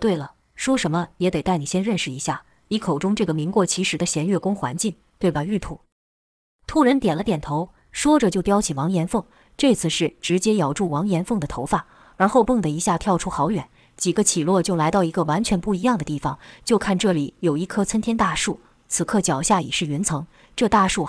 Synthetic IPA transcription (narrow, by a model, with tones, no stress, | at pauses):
t̪we˥˩ɪlə˩ | ʂwɔ˥ʂə˧˥nmə˧jɛ˧˥t̪e˨˩ɪt̪a˥˩ɪni˨˩ɕjɛ˥nɻə˥˧nʂɻ̩˨˩i˧˥ɕja˥˩ | i˧˥kʰo˨˩ʊʈ͡ʂʊ˥ŋʈ͡ʂɤ˥˩ɡə˩mi˧˥ŋkwɔ˥˩t͡ɕʰi˧˥ʂɻ̩˧˥d̪ə˧ɕjɛ˧˥nɥɛ˥˩kʊ˥ŋxwa̰˧˥nt͡ɕi˥˩n | t̪we˥˩ɪbə˩y˥˩t̪ʰṵ˨˩˦ | t̪ʰu˥˩ɻə˧˥nt̪jɛ˨˩nlə˦t̪jɛ˨˩nt̪ʰo˧˥ʊ | ʂwɔ˥ʈ͡ʂə˨˩t͡ɕjo˥˩ʊpjɑ˥ʊt͡ɕʰi˨˩wɑ˧˥ŋjɛ˧˥nfɤ˥˩ŋ | ʈ͡ʂɤ˥˧t͡sʰɹ̩˥˧ʂɻ̩˥˩ʈ͡ʂɻ̩˧˥t͡ɕjɛ˥jɑ˨˩ʊʈ͡ʂu˥˩wɑ˧˥ŋjɛ˧˥nfɤ˥˩ŋd̪ə˩t̪ʰo˧˥ʊfa˥˩ | ɻa˧˥nxo˥˧ʊpɤ˥˩ŋd̪ə˩i˧˥ɕja˥˩t̪ʰjɑ˥˩ʊʈ͡ʂʰu˥xɑ˧˥ʊɥɛ˨˩˦n | t͡ɕi˨˩ɡə˦t͡ɕʰi˨˩lwɔ˥˧t͡ɕjo˥˩ʊla˧˥ɪt̪ɑ˥˩ʊi˧˥ɡə˧wa˧˥nt͡ɕʰɥɛ˧˥npu˥˩i˧˥jɑ˥˩ŋd̪ə˩t̪i˥˩fɑ˨˩ŋt͡ɕjo˥˧ʊkʰa˥˧nʈ͡ʂɤ˥˩li˨˩jo˨˩ʊi˥˩kʰɤ˥t͡sʰə˥nt̪ʰjɛ˥nt̪a˥˧ʂu˥˩ | t͡sʰɹ̩˨˩kʰɤ˥˩t͡ɕjɑ˨˩ʊɕja˥˩i˨˩ʂɻ̩˥˩y˧˥nt͡sʰɤ˧˥ŋ | ʈ͡ʂɤ˥˧t̪a˥˧ʂu˥˩